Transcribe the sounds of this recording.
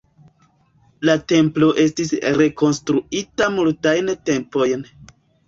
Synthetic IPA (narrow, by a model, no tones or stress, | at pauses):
late̞mplo̞ʔe̞stisɾe̞ko̞nstɾuitamultajnte̞mpo̞jn